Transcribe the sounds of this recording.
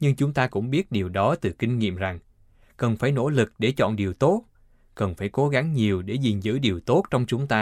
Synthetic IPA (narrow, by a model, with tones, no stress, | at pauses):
ɲɨ˧ŋt͡ɕʊ˨˦ŋ͡mt̪aː˧kʊ̰˧˥ŋ͡mɓi˦˥ət̚ɗi˨˩əwɗɔ˨˦t̪ɨ˨˩kï˧ŋ̟ŋḭ˧˨əmza˨˩ŋ | kə˨˩nfaː˧˩jno̰˧˥lɨ˨˩k̚ɗe˧˩t͡ɕɔ̰˧˨nɗi˨˩əwt̪o˦˥t̚ | kə˨˩nfaː˧˩jko˨˦ɣa˨˦ŋɲi˨˩əwɗe˧˩zi˨˩nzɨ̰˧˥ɗi˨˩əwt̪o˦˥t̚t͡ɕɔ˧wŋ͡mt͡ɕʊ˨˦ŋ͡mt̪aː˧